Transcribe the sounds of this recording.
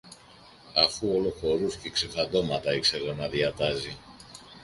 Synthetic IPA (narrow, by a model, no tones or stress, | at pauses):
ɐfuo̞lo̞xo̞ɾusce̞ksefɐd̪o̞mɐt̪ɐikse̞ɣonɐðiɐt̪ɐzi